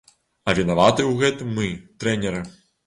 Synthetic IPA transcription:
ɐvʲinavat̪ɨwɣɛt̪ɨmːɨt̪ɾɛnʲɛɾɨ

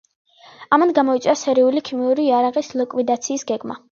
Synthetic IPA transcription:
amand̪ɡamɔit̪sʼasɛɾiulikʰimiuɾiːaɾaʁʼislikʼwid̪at̪sʰiːsɡɛɡma̰

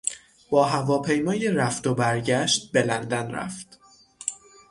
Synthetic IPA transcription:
b̥ɒːɦævɒːpʰe̞jmɒːjeɾæft̪o̞bæɾɟæʃt̪̚be̞lænd̪ænɾæ̰ft̪

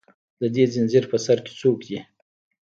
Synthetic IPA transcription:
d̪əd̪ezɪnzɪɾpəsaɾke̥t͡sokd̪i

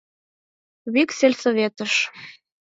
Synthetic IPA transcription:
βykselʲsoβet̪əʃ

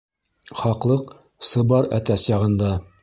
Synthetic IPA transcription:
χɑqlˠɤq | sɤ̆bɑɾæ̰t̪æsjɑʁɤ̆nd̪ɑ

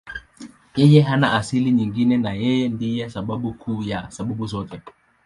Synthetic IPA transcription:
jɛjɛɦanaʔasiliɲiŋɡinɛnajɛjɛndijɛsaɓaɓukʰuːjasaɓaɓuzɔtɛ

